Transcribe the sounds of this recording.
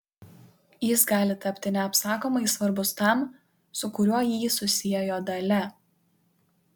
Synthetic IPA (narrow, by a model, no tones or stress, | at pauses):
jɪsɡɑːlʲɪt̪ɐpʲt̪ʲɪnʲɛɐpsɑːkoːmɐɪsʋɐɾbʊst̪ɐˑm | sʊkʊɾʲuɔjiːsʊsʲɪjɛjoːd̪ɐlʲɛ